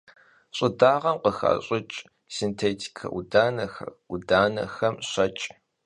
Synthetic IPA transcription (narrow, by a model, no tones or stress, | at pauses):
ɕʼɪdaːʁɐmqəxɐ̰ɕʼɪt͡ʃʼ | sintʰeːtʰi̥kʰɐ̰ʔudaːnɐxɐudaːnɐ̰xɐmɕɐt͡ʃʼ